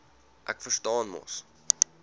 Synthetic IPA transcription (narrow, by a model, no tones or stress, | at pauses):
ʔæ̰kfərstɑːnmɑ̰s